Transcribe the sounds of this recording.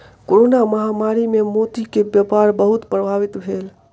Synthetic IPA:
koɾonaməɦamaɾimemot̪ikebjəpaɾbəɦut̪pɾəbʱaʋit̪bʱel

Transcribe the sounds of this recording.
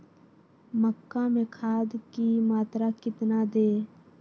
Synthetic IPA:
məkːãmẽkʰaːd̪kimaːt̪ɾakɪt̪nad̪eː

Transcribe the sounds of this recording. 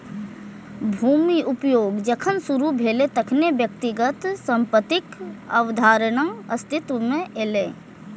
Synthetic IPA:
bʱuːmiʔʊpjoːɡd͡ʒəkʰənsuɾubʱeːlet̪ɐkʰnebjək̚t̪ɪɡət̪sə̃mpət̪ɪkəwd̪ʱaːɾəɽ̃əɐst̪ɪt̪ʋmẽeːle

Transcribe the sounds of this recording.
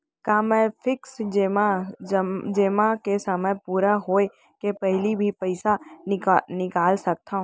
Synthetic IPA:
kamɛ̃ːfʰɪksd͡ʒma | d͡ʒeːmakesɐməpuːɾaɦoːe | kepɛɦlibʱipəɪsa | nɪkaːlsɐk̚t̪aɦũː

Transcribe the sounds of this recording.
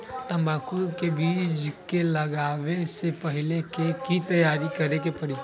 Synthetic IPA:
t̪ɐ̃mbaːkukebiːd͡ʒkelɐɡaːʋesepəɦɪlekekit̪ɐjaːɾikɐɾekepɐɽi

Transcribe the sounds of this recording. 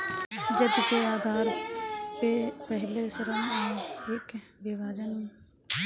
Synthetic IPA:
d͡ʒəd̪keaːd̪ʱaːɾpepəɦɪlesəɾəmɔːekbɪbaːd͡ʒənmː

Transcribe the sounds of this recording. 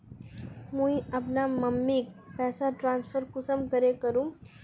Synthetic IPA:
mũiɐpnamɐmːik̚pɛːsaʈɾãːnsfʰəɾkʊsəmkɐɾekɐɾũː

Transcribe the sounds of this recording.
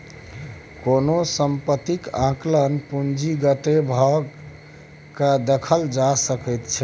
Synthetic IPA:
konosəmpət̪ikãklənpund͡ʒiɡət̪ebʱəɡ | kad̪əkʰəld͡ʒasəkəjt̪t͡ʃʰɛ

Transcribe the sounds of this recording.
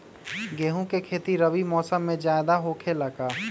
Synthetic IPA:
ɡeːɦũkekʰeːt̪iɾəbimɔːsəmːẽd͡ʒaːɪd̪aɦoːkʰeləɡaː

